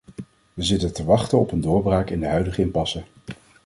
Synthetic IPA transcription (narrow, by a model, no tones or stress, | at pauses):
ʋəzɪtəntəʋɑχtəɔpəndʊːɹbraːkɪndəɦœɥdəχəɪmpɑsə